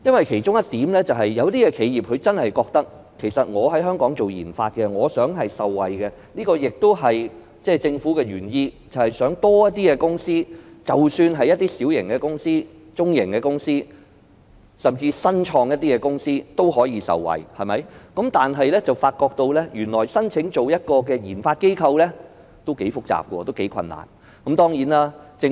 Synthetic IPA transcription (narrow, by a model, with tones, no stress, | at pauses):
jɐ˥nwɐ˨jkʰe˨˩jt͡ʃʊ˥ŋjɐ˥t̚t̪iː˨˥mlɛː˥t͡sɐ˨wɦɐ˨jːɐ˨˧wt̪iː˥kɛ˧kʰe˨˧jjiː˨p̚kʰɵ˨˧ɥt͡sɐ˥nhɐ˨jkɔː˧k̚t̪ɐ˥k̚ | kʰe˨˩jsɐ˨t̚ŋɔː˨˧ɦɐ˨˥jɦœː˥ŋkɔː˨˥ŋt͡so˨wjḭː˨˩nfaː˧t̚kɛ˧ŋɔː˨˧sœː˨˥ŋɦɐ˨jsɐ˨wwɐ˨˩jkɛ˧niː˥kɔː˧jɪ˨k̚t̪o˥wɦɐ˨j | t͡sɛː˥˩t͡sɪ˧ŋfuː˨˥kɛ˧ɥyː˨˩njiː˧t͡sɐ˨whɐ˨jsœː˨˥ŋt̪ɔː˥jɐ˥t̚t̪iː˥kɛ˧kʊ˥ŋsiː˥t͡sɐ˨wsyː˧nɦɐ˨jɐt̪̚iː˥siː˨˥wjɪ˨˩ŋkɛ˧kʊ˥ŋsiː˥ | t͡sʊ˥ŋjɪ˨˩ŋkɛ˧kʊ˥ŋsiː˥ | sɐ˨˩mt͡siː˧sɐ˥nt͡ʃʰɔː˧ŋjɐ˥t̚t̪iː˥kɛ˧kʊ˥ŋsiː˥t̪o˥whɔː˨˥jiː˧sɐ̰˨wwɐ̰˨˩jhɐ˨jmɐ˨˥jkɐ˨˥mt̪aː˨nɦɐ˨jlɛ˥t͡sɐ˨wfaː˧t̚kɔː˧k̚t̪o˧wlɛ˥jyː˨˩nlɔː˨˩jsɐ˥nt͡sʰɪ˨˥ŋt͡so˨wjɐ˥t̚kɔː˧kɛː˧jiː˨˩nfaː˧t̚ke˥jkʰɐ˧wlɛ˥ | t̪o˥wke˨˥jfʊ˥k̚t͡sa̰ː˨p̚kɔ̰ː˧t̪o˥wke˨˥jkʰɐ̰˧nːa̰ː˨˩n | kɐ˨˥mt̪ɔː˥ŋjiː˨˥naː˥t͡sɪ˧